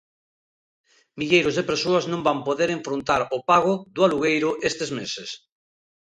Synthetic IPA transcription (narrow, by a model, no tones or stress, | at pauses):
miʎejɾozðepeɾsoaznõmbampoðeɾeɱfɾont̪aɾopaɣoðualuɣejɾʊʔest̪ezmeses